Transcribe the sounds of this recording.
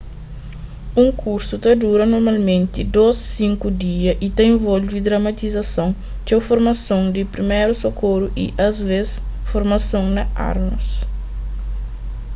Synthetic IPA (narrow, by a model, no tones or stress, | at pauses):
ũŋkʰuɾsut̪ɐd̪uɾɐnoɾmɐlmẽnt̪ɪd̪osːĩŋkud̪iɐʔit̪ɐẽvolvid̪ɾɐmɐt̪izɐsõŋ | t͡ʃɛwfoɾmɐsõŋd̪ipɾimeɾusokʰoɾuʔiʔɐzvesfoɾmɐsõŋnɐa̰ɾnus